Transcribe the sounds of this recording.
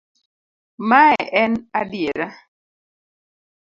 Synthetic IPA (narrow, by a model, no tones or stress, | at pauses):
maɛʔɛnadjeɾa